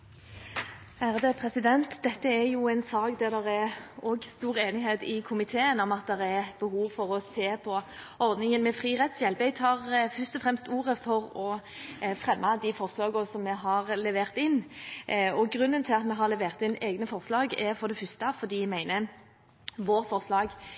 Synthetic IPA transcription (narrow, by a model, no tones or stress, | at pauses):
æːʁd̪əpʰʁɛsɪd̪ɛnt̪d̪ɛt̪ːəɛjuæɪnsɑːkd̪æʁd̪ɛʁɛɔɡst̪uːʁeːnɪɦeːt̪ɪkʰʊmɪt̪ʰeːənɔmɑt̪̚d̪ɛʁɛb̥əhuːʋfɔʁɔseːpʰɔ | ɔɾd̪nɪŋənmɛfʁiːʁɛt̪sjɛlpæɪt̪ʰɑːʁfœʁst̪ɔfʁɛmst̪uːʁəfɔʁɔ | fʁɛmːɑd̪ɪfɔʁslɑːɡʊsɔmːɛɦɑʁlɛʋeːʁt̪ɪnː | ɔɡʁʉnːənt̪ʰɪlɑt̪mɛɦɑɾlɛʋeːʁt̪ɪneːɡnəfɔʁslɑːɡɛɾfɔʁd̪ɛfʏst̪ɑfɔd̪iːæmæɪnə | ʋoːʁfɔʁslɑːɡ